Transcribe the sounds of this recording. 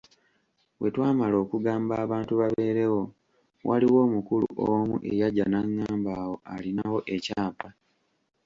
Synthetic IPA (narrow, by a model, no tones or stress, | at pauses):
we̞twaːmalo̞ːkuɡaːmbaːβaːntuβaβe̞ːɾe̞wo̞ | wʔaliwo̞ːmukulṵʔomṵʔe̞jaɟanaŋːaːmbaːwo̞alinawo̞ʔe̞caːpa